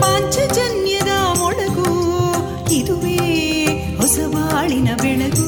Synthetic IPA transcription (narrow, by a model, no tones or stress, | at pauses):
maːɲt͡ʃɐd͡ʒɐnjɐd̪ɐmɔɭɐɡu | id̪uʋeː | hɔsɐʋaːɭinɐbɛɳɐd̪u